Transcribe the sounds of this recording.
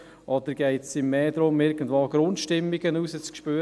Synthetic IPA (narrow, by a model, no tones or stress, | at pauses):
ʔɔd̪əɾɡ̥ɛɪtsɪmːeːd̪ɾʊmɪɾɡ̥ən̩dʋoːɡ̥ɾʊnt̪ʃtɪmːɪɡənuːsət͡skʃpøː